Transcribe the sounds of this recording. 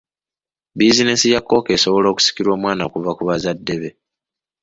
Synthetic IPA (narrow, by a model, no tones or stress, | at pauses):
bizine̞sijakːo̞ːke̞ːso̞βo̞lo̞ːku̥si̥kiɾwo̞ːmwaːnaokuvakuβazadːe̞βe̞